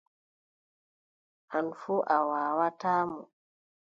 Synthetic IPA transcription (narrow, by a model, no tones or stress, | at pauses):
ʔanfuʔawaːwatamu